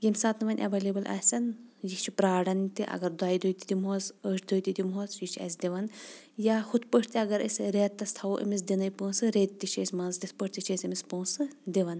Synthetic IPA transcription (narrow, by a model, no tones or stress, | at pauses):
ɡimsaːt̪nɨʋɐnʲʔɐ̰ʋɐlibɨlʔɐ̰sʲɐnjit͡ʃʰipɾaːɽɐnt̪iʔɐ̰ɡɐɾd̪aːjid̪oːjt̪id̪imɦozəʈʰd̪ojt̪id̪imɦoːzjit͡ʃʰɐ̰sʲd̪ʲiʋɐn | jaːhut̪pəʈʰt̪iɐɡɐɾəsʲɾeːt̪ːɐst̪ʰɐwʔḭmis̬d̪ʲinɐjpoːsɨɾeːt̪̚ʲt̪ːit͡ʃʰeːsʲmɐnzd̪ʲispəʈʲt̪it͡ʃʰeːsʲimispoːsɨd̪iʋɐn